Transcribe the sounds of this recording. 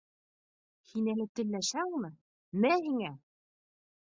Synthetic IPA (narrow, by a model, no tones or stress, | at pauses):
hinælɘt̪ɘ̆lːæʃæŋmɤ | mæɦiŋæ